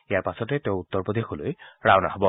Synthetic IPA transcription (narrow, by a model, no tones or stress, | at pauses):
ijaɹpasɔtɛteʊ̃utːɔɹpod̪ʱexolo̰jɹawna̰hɔbɔ